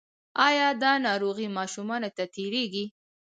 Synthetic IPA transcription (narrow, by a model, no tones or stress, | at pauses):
ɑjɑd̪ɑnɑɾoɣimɑʃumɑnat̪at̪eɾeɡi